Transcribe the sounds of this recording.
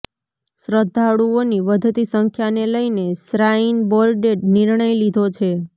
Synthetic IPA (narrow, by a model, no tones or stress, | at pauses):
sɾəd̪ʱːaɽuoniʋəd̪ʱt̪isəŋkʰjaneləjnesɾainbɔɾɖeɖniɾɳ̃əjlid̪ʱot͡ʃʰe